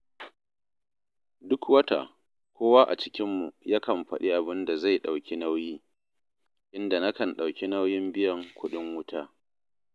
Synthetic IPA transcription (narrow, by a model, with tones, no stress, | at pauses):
dʊ˦kwɐ˦ta̰˨ | kʷoː˦waː˦ʔa̰˨t͡ʃɪ̥˦kʲɪ˦mːu˨ja˦kɐ˨mɸɐ̰˦ɗi˦ʔa˨bɪ˦nda˨za˦˨jɗa˨wkʲi˦na˦wjiː˦ | ʔɪ˦nda˨na˦kɐ˨nɗa˨wkʲi˦na˦wjɪ˦mbɪ˦jɐ˨ŋkʷʰʊ˦ɗɪ˦ŋwʊ˦tʰaː˦